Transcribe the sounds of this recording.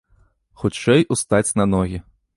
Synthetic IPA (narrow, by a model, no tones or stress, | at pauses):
xut͡ʂɛjʔust̪at͡sʲnɐnɔɣʲi